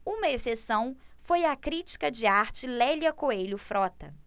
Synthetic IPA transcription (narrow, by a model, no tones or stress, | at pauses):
ũmɐesesɐ̃w̃fojɐkɾit͡ʃi̥kɐd͡ʒɪaɾt͡ʃɪlɛljɐkoejlʊfɾɔt̪ɐ̰